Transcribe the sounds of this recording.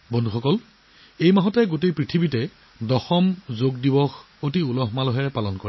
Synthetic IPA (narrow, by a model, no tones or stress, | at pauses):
bɔndʱuxɔkɔl | ejmaɦɔtɛɡotejpɹitʰibitɛ | dɔxɔmzoɡ̚dibɔx | otiulɔɦmalɔɦɛɹɛpalɔnkɔɹɛ